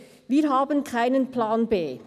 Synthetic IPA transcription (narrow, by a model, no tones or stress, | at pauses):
viːɾɦaːbənkʰaɪnənplaːnbeː